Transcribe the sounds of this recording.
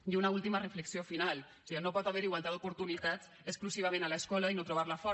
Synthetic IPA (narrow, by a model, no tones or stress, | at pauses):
iunaulˠt̪imərəfləksiofinalˠ | sinopɔt̪aβɛɾiɣwalt̪aðd̪upuɾt̪unit̪at͡s | əskluziβ̞amẽnaləskɔləinot̪ɾuβ̞aɾləfɔ